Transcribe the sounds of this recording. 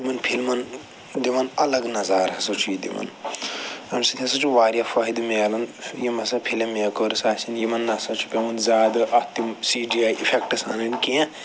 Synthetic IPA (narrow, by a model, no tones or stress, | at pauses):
mɐnpʰilmɐn | d̪iʋɐnɐlɐɡnɐzaːɾɦɐsɐt͡ʃʰujid̪ḭʋɐ̰n | ɐmsɐt̪ʰʲɐ̃sɐt͡ʃʰuʋaːɾijafɐɦid̪meːlɐnjimɐsɐpʰilemeːkoːɾisaːsinjimɐnːɐsɐt͡ʃʰu̥pʲemɐnzʲaːd̪ɐʔɐt̪imsiːɖiaːjʔifʰek̚ʈɨsa̰ːnɐnkĩẽ